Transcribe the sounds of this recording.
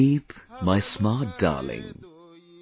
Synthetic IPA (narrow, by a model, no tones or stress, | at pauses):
ipmaɪsmɑːt̚d̥ɑ̰ːlɪ̰̃ŋ